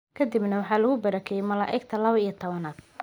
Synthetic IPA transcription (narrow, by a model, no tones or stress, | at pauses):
kʰɐd̪ibnɐwɑħɑːlʊɣʊbɐɾɐkʰɛjɛmɐlaːʔɛɡt̪ʰɐlɐβɐijɐt̪ʰɔβɐnaːd̪